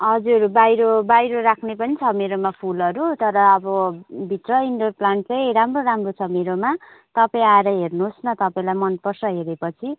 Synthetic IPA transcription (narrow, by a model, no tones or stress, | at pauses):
ɦʌd͡zurbajɾobajɾoɾakʰnepʌnit͡sʰʌmeɾomapʰulʌɾut̪ʌɾʌːbʌbʱit̪rʌiɳɖorplaɳʈ̚t͡sʌjɾamroɾamrot͡sʰʌmeɾoma | t̪ʌpaĩaeɾʌɦernuɦosnʌt̪ʌpaĩlajmʌnpʌrsʌɦeɾepʌt͡sʰi